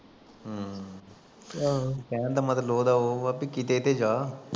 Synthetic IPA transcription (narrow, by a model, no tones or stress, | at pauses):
ɦ | kɛ̃ːnd̪aːmət̪əloːd̪aːɦoːapikit̪eːt̪ed͡ʒaː